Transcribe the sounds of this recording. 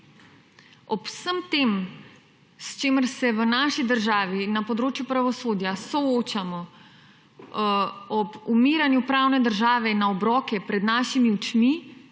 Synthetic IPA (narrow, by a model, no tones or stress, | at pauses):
ɔpsəmt̪eːm | st͡ʃeːməɾsɛʋənaːʃid̪əɾʒaːʋinapɔd̪ɾoːt͡ʃjupɾaʋɔsoːd̪jasɔoːt͡ʃamɔ | ɔbumiːɾanjupɾaːwnɛd̪əɾʒaːʋɛinːaɔbɾɔːkɛpɾɛd̪naːʃimiut͡ʃmi